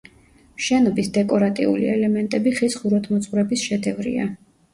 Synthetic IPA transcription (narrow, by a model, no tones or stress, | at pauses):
mʃɛnɔbisd̪ɛkʼɔɾat̪ʼḭṵlḭɛlɛmɛnt̪ʼɛbiχisχuɾɔt̪ʰmɔt̪sʼχʼvɾɛbisʃɛd̪ɛvɾḭa̰